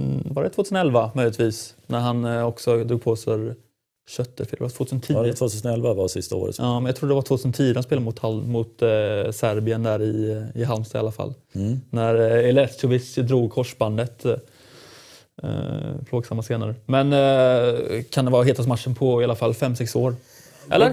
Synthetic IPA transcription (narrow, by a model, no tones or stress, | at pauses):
vɑːɾɛt̪ʰvoːʉ̟snɛlvamœjlɪt̪viːsnæɾɦanɔksɔd̪ɾuːɡ̚pʰoːsfœɾ | ɕœt̪ːəɾfɪlːt̪foːt̪ʰʉsənt̪ʰiːt̪voːt̪ʰʉːsənɛlvavasɪst̪a̰o̰ːɾə̰t̪ɑːmɛnɑt̪ʰɾuːɖd̪ɛvaʈʰːt̪ʰʉsnt̪ʰiːɾəanspeːlmʊt̪hamʊt̪sæɾbɪənd̪æɾɪɪɦalmst̪aɪ̰alːafa̰lːnæɾɛlɛst̪ʊvɪt͡ʃd̪ɾuːɡ̚kʰɔʂband̪ət̪ | pʰloːɡsamːaseːnaɾəmɛn | kʰand̪ɛvɑːɦeːt̪ʰasmat̪ʂːənpʰɔɪalafalːfɛmːsɛksoːɾ | ɛ̰lːəɾ